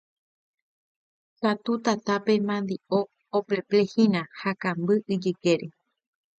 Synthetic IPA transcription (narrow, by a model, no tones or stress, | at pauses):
sat̪ut̪at̪ape̞mãnd̪io | opleplehĩnãhakãmbɨʔɨd͡ʒɨkeɾe